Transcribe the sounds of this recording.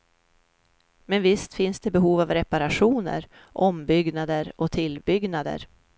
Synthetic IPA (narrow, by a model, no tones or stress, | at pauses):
mɛnvɪst̪fɪnsd̪ɛbɛɦuːvavɾɛpaɾaɧuːnə̰ɾ | ʔɔmbʏɡnad̪əɾɔt̪ʰɪlbʏɡnad̪ə̰ɾ